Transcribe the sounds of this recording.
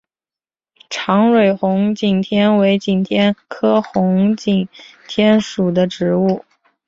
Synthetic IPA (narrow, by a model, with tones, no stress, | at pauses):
ʈ͡ʂʰɑ˧˥ŋɻe˨˩ɪxʊ˧˥ŋt͡ɕi˨˩ŋt̪ʰjɛ˥nwe˧˥ɪt͡ɕi˨˩ŋt̪ʰjɛ˥nkʰɤ˥xʊ˧˥ŋt͡ɕi˨˩ŋt̪ʰjɛ˥nʂu˨˩d̪ə˦ʈ͡ʂɻ̩˧˥u˥˩